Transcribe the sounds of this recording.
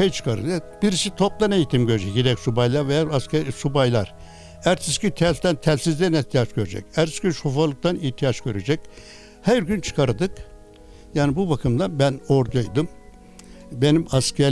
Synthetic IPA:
ejt͡ʃʰɯ̥kʰaɾɯ̰lˠabiɾisit̪ʰo̞p̚d̪ˠane̞jit̪ʰimɟøɾed͡ʒɛcɟeɾɛcsubajlˠaɾvejaaskɛsubajlˠa̰ɾ | æɾt̪ʰiscʲit̪ʰæt̪ænt̪ʰælʲsizd̪æniht̪ʰijat͡ʃɡøɾed͡ʒɛ̰cæɾt̪i̥scʰʲiʃufalˠɯk̚t̪aniht̪ʰijat͡ʃɡ̥øɾed͡ʒɛc̚ʲ | hæɾɡynt͡ʃʰɯ̥kʰaɾɯd̪ɯk | jaːnibubakʰɯmd̪anbænoɾd̪ajd̪ɯm | be̞nimaskɛ

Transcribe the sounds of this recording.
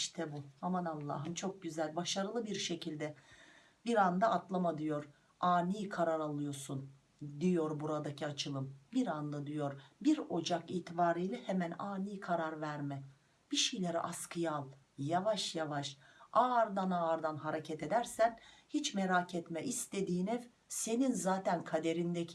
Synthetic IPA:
iʃt̪ʰɛbuamanalˠːa̰ɦɯmt͡ʃʰo̞k̚ɟyzælʲbaʃaɾɯlˠɯbiɾʃe̞cʰilʲd̪ɛ | biɾand̪aːt̪lˠamad̪ijo̞ɾ̥ | aːniːkʰaɾaɾalˠɯjo̞ɾsun | d̪ijo̞ɾbuɾad̪acʰiat͡ʃʰɯlˠɯmbiɾand̪ad̪yjo̞ɾbiɾo̞d͡ʒakiːt̪ʰibaːɾɯjlʲɛhemænaːnijkʰaɾaɾvæɾmɛ | b̥iʃejlʲeɾɛ̰ʔaskʰɯjalˠ | javaʃjavaʃ | aɾd̪anaɾd̪anɦaɾecʰɛt̪e̞d̪æɾsænhit͡ʃmeɾacʰɛt̪mɛʔist̪e̞d̪iːnɛv | se̞ninzaːt̪ʰænkʰad̪e̞ɾind̪ɛ

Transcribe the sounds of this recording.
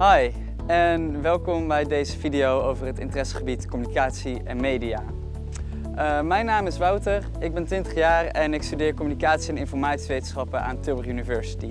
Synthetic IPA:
ɦɔj | ɛnʋɛlˠkɔmbɛjdejzəvidiowowvərɦətɪ̰ntərɛsə̥χəbitkɔmynikaːtsi | ɛnmejdijaː | əmɛjnaːmɪsʋɑwtər | ɪɡ̚bɛntʋɪntəχjaːrɛnɪkstydɪːɹkɔmynikaːtsiɛnɪnfɔɹmaːtsiʋejtənsχɑpəa̰ːntøbərynivɛɹsi̥ti

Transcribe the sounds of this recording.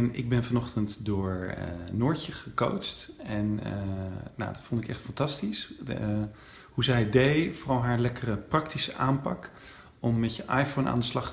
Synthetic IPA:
nɪ̰ɡ̚bɛnvɑnɔχtəntdʊːɹənʊːɹcəχəko̰wt͡ʃtɛn | na̰wdɑtfɔntɪkɛ̰χtfɑntɑstis | huzɛjdejvʊrɑlˠɦaːɹlɛkərəprɑktisəʔaːmpɑk | ɔmːɛtjəʔɑjfownʔa̰ːndəslɑχt

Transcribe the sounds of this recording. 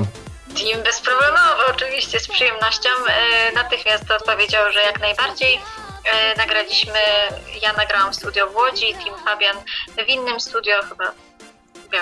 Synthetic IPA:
t̪imbɛspɾɔblɛmɔvɨɔt͡ʂɘvʲiɕt͡ɕɛspʂɨjɛmnɔɕt͡ɕɔmnat̪ɘxmʲjast̪ɔt̪̚pɔvʲjed͡ʑawʐɛjaknajbaɾd͡ʑej | naɡɾalʲiɕmɘjanaɡɾawamfst̪ud̪jɔvwɔd͡ʑit̪ʲʰimfabʲjanvʲinːɘmst̪ud̪ʲjɔxɘba | bʲa

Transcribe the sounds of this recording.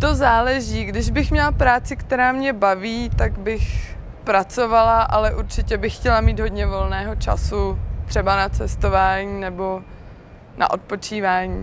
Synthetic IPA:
t̪ozaːlɛʒiːɡdɪʒbɪxmɲɛlapɾaːt͡sɪkt̪ɛɾaːmɲɛbaviːt̪aɡbɪx | pɾat͡so̞valaʔalɛʔuɾt͡ʃɪcɛbɪxːcɛlamiːd̪ɦo̞d̪ɲɛvo̞lnɛːɦo̞t͡ʃa̰sut̪r̝̥ɛbanat͡sɛst̪o̞vaːɲiːnɛbo̞ | na̰ʔo̞t̪̚po̞t͡ʃiːvaːɲiː

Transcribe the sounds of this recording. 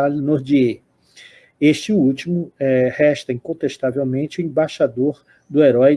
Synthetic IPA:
alnoɾd͡ʒie | eʃt͡ʃɪut͡ʃimʊɛhɛʃt̪ɐĩkõnt̪est̪avewmẽnt͡ʃɪʊẽbaʃad̪oɾ | d̪ʊeɾɔj

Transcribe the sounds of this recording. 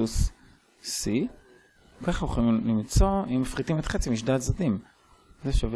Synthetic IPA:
usː | i | kaχoχoimlimt͡so̞imafʁit̪imet̪χet͡simiʃdat̪zat̪im | zeʃav

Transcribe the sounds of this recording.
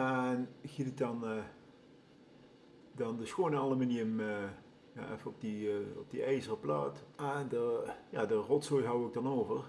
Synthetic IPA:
ɛnɣidək̚dɑn | dɑndəsxoːnəɑlˠəmɪniəmə | ja̰ːʔɛ̰fəɔp̚diɔ̰p̚diɛjzərəpla̰ːtɛdəjaːdərɔtsojɦɑwəɡ̚dɑnoːvər

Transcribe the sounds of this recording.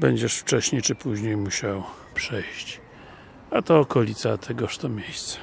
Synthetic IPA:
bɛɲd͡ʑɛʂft͡ʂɛɕɲejt͡ʂɘpuʑɲejmuɕaw | pʂɛjɕt͡ɕ | at̪ɔːkɔlʲit̪sat̪ʰɛɡɔʂt̪ɔmʲjejst̪sɛ̥

